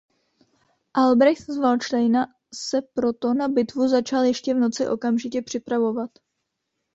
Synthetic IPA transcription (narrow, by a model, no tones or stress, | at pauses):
ʔalbɾɛxt̪zvalt͡ʃtajna | sɛpɾo̞t̪o̞nabɪt̪vuzat͡ʃaljɛʃcɛvno̞t͡sɪʔo̞kamʒɪcɛpr̝̥ɪpɾavo̞vat̪